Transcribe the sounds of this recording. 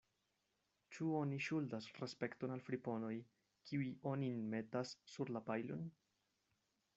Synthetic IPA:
t͡ʃuo̞niʃuldasɾespe̞kto̞nalfɾipo̞no̞j | kʰiujo̞ninme̞tasːuɾlapajlo̰n

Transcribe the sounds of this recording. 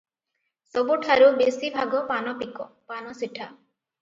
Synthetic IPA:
sɔbuʈʰaɾubesibʱaɡɔpanɔpikɔ | panɔsiʈʰa

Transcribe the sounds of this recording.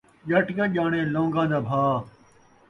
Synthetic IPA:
ʄɐʈkaʄaːɳ̃ẽːlõːŋɡãːd̪aːbʱaː

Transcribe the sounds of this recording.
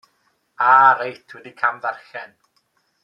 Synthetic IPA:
aːɾejtʰwɛdikʰamðarxɛn

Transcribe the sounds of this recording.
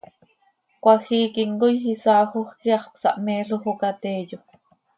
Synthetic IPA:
kʷɑxiːkiŋɡojhisɑːxoχkiɑχksɑ̰ʔmeːɬoxokat̪eːjo

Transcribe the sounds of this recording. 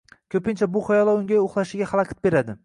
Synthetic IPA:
kʲʰɵpɪnt͡ʃʰabʊχɒjɒlˠaʊŋɡʲajoχlˠaʃɪɡʲaχalˠɑkʲʰɑt̪̚be̞ɾad̪ɪ

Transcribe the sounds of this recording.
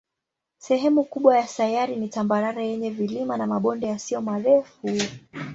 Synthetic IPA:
sɛɦɛmukuɓwajasajaɾinitambaɾaɾajɛɲɛvilimanamaɓɔndɛjasijɔmaɾɛfu

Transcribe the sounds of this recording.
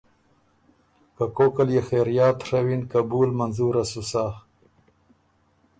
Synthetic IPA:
kakoːkaljexeɾjaːt̪ʂawinkabuːlmanzuɾasusaːh

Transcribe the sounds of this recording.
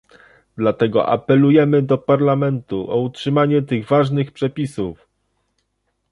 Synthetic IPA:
d̪lat̪ɛɡɔ̰ʔa̰pɛlujɛmɘd̪ɔpaɾlamɛnt̪uʔɔutʂɘmaɲɛt̪ɘɣvaʐnɘxpʂɛpʲisuf

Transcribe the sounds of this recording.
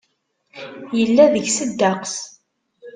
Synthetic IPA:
jəlːæðəʝsəd̪ːɑqs

